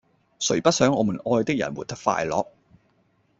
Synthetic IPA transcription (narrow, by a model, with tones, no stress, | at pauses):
sɵ˨˩ɥpɐ˥t̚sœː˨˥ŋɔː˨˧mu˨˩nɔː˧jt̪ɪ˥k̚jɐ̰˨˩nwuː˨˩t̚t̪ɐ˥k̚fa̰ː˧jlɔː˨˥k̚